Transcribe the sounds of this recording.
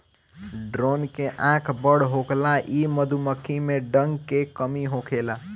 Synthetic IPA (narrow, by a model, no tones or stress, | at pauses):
ɖɾoːnkeʔãkʰbəɽɦoklaʔiməd̪ʱuməkʰːimẽɖəŋɡkekəmiɦokʰela